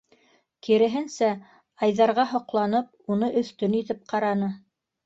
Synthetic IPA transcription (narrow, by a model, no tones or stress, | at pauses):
kiɾɘ̆ɦɘnsæ | ɑjðɑɾʁɑɦŏqlˠɑnɤp̚unɤʔɵ̆θt̪ɵnit̪ɘp̚qɑɾɑnɤ